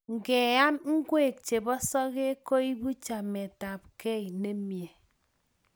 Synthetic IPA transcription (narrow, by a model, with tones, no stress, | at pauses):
ŋ̩˨ɡe˨a˦mŋ̩˦ɡwe˦˨k̚t͡ʃe˨bɔ˦sɔ˦ɣe˦ko˦i˦bu˦t͡ʃa˨me˨ta˨p̚ke˦i˨ne˦mje˨